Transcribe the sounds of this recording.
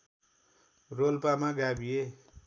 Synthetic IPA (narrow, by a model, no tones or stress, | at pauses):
rolpamaɡabije